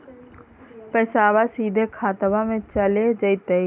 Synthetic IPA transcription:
pəːsaːwasiːd̪ʱekʰaːt̪əbamẽt͡ʃəled͡ʒəɪt̪ei

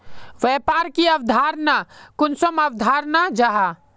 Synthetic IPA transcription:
ʋɛpaːɾkiɐwd̪ʱaːɾnakʊnsəmɐwd̪ʱaːɾnad͡ʒaɦa

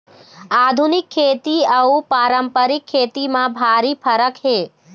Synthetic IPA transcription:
aːd̪ʱunɪkʰːeːt̪iəupaːɾəmpəɾɪkʰːeːt̪imãbʱaːɾipʰəɾəkɦeː

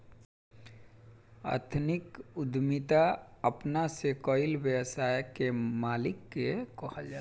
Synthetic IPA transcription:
ə̰ɾt̪ʰnɪkʊd̪mit̪aəpnasekɔɪlʋjəwsaːjkemaːlɪkːekɔɦəld͡ʒa

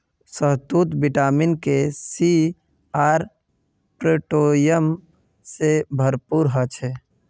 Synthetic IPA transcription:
səɦt̪uːt̪bɪʈaːmɪnkesi | aːɾ | pɾeʈoːjəm | sebʱəɾpuːɾɦət͡ʃʰɛː

